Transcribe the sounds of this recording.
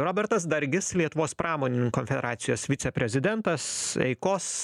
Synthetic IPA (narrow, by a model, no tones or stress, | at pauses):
ɾoːbʲɛɾt̪ɐs̬d̪ɐɾʲɡʲɪslʲiɛt̪ʊʋoːspɾɑːmoːnʲɪnʲɪŋkoːnʲfʲɛd̪ʲɛɾɑːt̪sʲɪjoːsʋʲɪt̪sʲɛpʲɾʲɛzʲɪd̪ʲɛnt̪ɐsɛ̰ɪkoːs